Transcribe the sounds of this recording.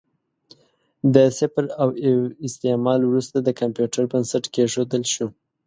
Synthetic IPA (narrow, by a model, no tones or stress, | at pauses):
d̪əsɪpɾawɪst̪emɑlwɾust̪ad̪əkampjuʈaɾbənsaʈkeʒod̪əlʃu